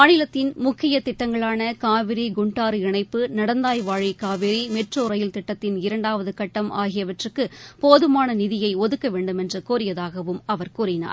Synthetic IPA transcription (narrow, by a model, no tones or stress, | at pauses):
maːɳɪlɐt̪ːɪnmʊkʰːɪjɐt̪ɪʈːɐŋɡɐɭaːnɐkaːʋɪɾiɡʊɳʈaːɾɪɳɐɪpːɯnɐɽɐnd̪aːjʋaːɻikaːʋɪɾimɛʈroːɾɐjɪlt̪ɪʈːɐt̪ːɪnɪɾɐɳɖaːʋɐðɯkɐʈːɐma̰ːɣɪjɐʋɐʈrɯkːɯpoːðɯmaːnɐnɪðɪjɐɪɔðɯkːɐʋeːɳɖɯmɛndrɯkuːɾɪjɐðaːɣɐʋɯmɐʋɐɾkuːɾɪna̰ːɾ